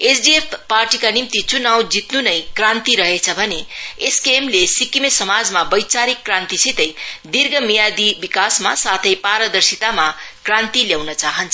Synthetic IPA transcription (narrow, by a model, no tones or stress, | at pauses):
esʰɖiepparʈikanimt̪it͡sunaw̃d͡zit̪nunʌjkrant̪iɾʌɦet͡sʰʌbʱʌneeskemlesikimesʌmad͡zmabʌjt͡saɾikːrãnt̪isit̪ʌjd̪irɡʌmijad̪ibikasmasat̪ʰʌjpaɾʌd̪ʌrsit̪amakrant̪iljawnʌt͡saɦʌnt͡sʰʌ